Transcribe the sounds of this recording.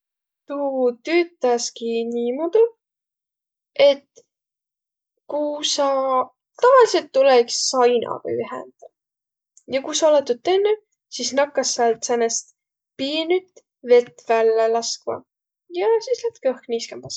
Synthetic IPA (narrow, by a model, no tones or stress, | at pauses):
t̪ut̪yːt̪ːˑɑskiniːmud̪u | e̞t̪ | kusɑ | t̪ɑvɑlise̞lt̪ːulɛksːɑjnɑ̰ɡ̥ɑ̰yɦɛ̰nd̪̥ɑ | jɑkusɑolet̪ːut̪ːenːy | sisnɑkːɑsːɑlt̪senːest̪ | piːnyt̪ | ve̞t̪ːvælːelɑskmɑ̰ | jɑsislæt̪kɤhkniːskɑmb̥ɑs